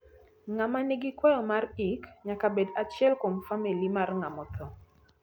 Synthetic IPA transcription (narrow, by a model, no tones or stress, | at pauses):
ŋamaniɡikwɔjɔmarikɲakabedat͡ʃjɛlkomfamilimarŋamɔt̪ʰɔ